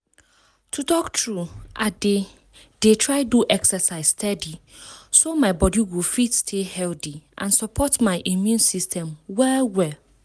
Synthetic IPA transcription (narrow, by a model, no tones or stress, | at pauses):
tʰutɔktʰɹuʔade | detʰɹaɪduʔɛksɛsaɪsstʰɛdisomaɪbɔdiwilfitstʰehɛltiʔã̰nsɔpʰɔtmaɪʔimjũnsistʰɛ̃mwɛwɛ